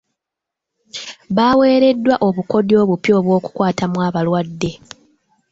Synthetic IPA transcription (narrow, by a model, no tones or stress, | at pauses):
βaːwe̞ːɾe̞dːwaʔo̞βuko̞djo̞ːβupjo̞ːβwo̞ːku̥kwaːtamwaːβalwadːe̞